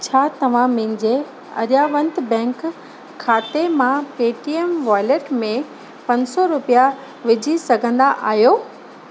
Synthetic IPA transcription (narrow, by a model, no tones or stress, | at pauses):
t͡ɕʰaːt̪ɐʋ̤ãmɪ̃̆d͡ʑe | ɐ̰ɾjaʋə̃nd̪bɛ̃ːŋkʰː | aːt̪emãpeːʈiemʋaːɪleʈmẽ | pɐ̃ɲsɔɾʊpija | ʋɪd͡ʑʱisɐɡʱə̃nd̪aʔa̰ːɦjoː